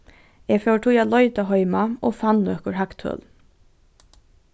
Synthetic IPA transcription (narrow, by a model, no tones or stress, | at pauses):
ɛɡfɛwʈʰujaːt̪lɔʏt̪aɦɔʏmaoːfanːœkʊɹɦakt̪ʰœ̰l